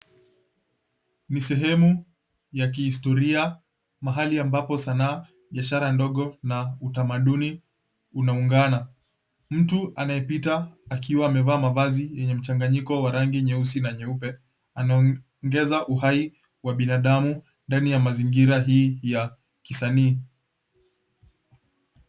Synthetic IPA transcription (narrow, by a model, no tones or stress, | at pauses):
nisɛɦɛmu | jak̬ihistɔɾia | maɦaliambapɔsanaː | ɓiaʃaɾandɔɠɔnautamaɗuni | unauŋɡana | m̩tuʔanajɛpitaːkiwaːmɛvaːmavazijɛɲɛm̩t͡ʃaŋɡaɲikɔwaɾaŋɡiɲɛusinaɲɛupɛ | ana | ŋɡɛzaʔuhai | waɓinaɗamu | ndanijamaziŋɡiɾaɦiːja | kisaniː